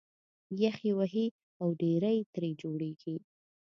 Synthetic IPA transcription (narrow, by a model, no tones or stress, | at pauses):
jaxiwaɦi | awɖeɾajt̪ɾed͡ʒoɽeɡi